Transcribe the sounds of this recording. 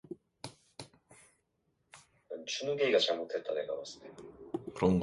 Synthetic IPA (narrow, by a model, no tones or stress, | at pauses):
ant͡ɕʰunuɡe̞iɡat͡ɕaɭmotʰe̞t̚t͈aneɡa̰was͈ɯ̥tekɯɾʌnɡ